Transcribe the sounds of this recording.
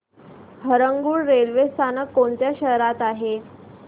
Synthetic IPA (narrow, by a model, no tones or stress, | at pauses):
ɦəɾəŋɡuːɽːelʋest̪ʰanəkːoɳt̪jaɕəɦɾat̪aɦe